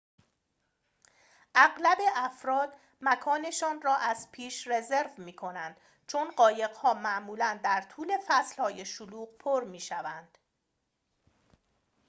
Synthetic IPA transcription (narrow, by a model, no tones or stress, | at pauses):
ʔæɣlæbe̞æfɾɒːd̪̥ | mækʰɒːne̞ʃɒːnrɒːʔæz̥pʰiːʃre̞ze̞ɾvmiːkʰo̞nænd̪̥ | t͡ʃʰonɢɒːje̞ɣhɒːmæʔmuːlænd̪æɾt̪ʰuːle̞fæslhɒːje̞ʃoluːɢpʰoɾmiːʃævænd̪̥